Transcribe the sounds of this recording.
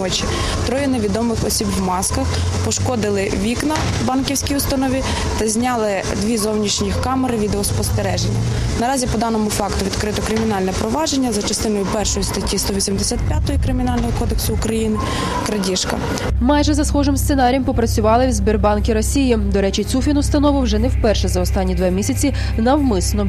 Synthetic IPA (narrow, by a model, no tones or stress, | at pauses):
ɔt͡ʃi | t̪ɾɔjɐneʋʲid̪ɔmɪxɔ̰sʲibwmɑskɐx | pɔʃkɔd̪ɪlˠɪ | ʋʲiknɐ | bɑnkʲiwsʲkʲijʊst̪ɐnɔʋʲi | t̪ɐzʲnʲɑlˠɪ | d̪ʋʲizɔwnʲiʃnʲixkɑmeɾɪʋʲid̪eɔspɔst̪eɾɛʒḛnʲːɐ̰ | nɐɾɑzʲipɔd̪ɑnɔmʊfɑkt̪ʊʋʲid̪kɾɪt̪ɔkɾɪmʲinɑlʲnɛpɾɔʋɑʒe̞nʲːɐzɐt͡ʃɐst̪ɪnɔjʊpɛrʃɔjʊst̪ɐtʲːist̪ɔʋʲisʲimd̪esʲat̪̚pʲjat̪ɔjikɾɪmʲinɑlʲnɔɦɔkɔd̪eksʊːkɾɐjinɪ | kɾɐdʲiʃkɐ̰ | mɑjʒɛzɐsxɔʒɪmst̪enɑɾʲjɐmpɔpɾɐt͡sʲʊʋɑlˠɪwzʲbʲirbɑnkʲiɾɔsʲijid̪ɔɾɛt͡ʃit̪t͡sʲufʲinʊst̪ɐnɔʋɪwʒɛnɛwpɛrʃɛzɐɔst̪ɑnʲːid̪ʋɛmʲisʲɐt͡sʲi | nɐwmɪsnɔ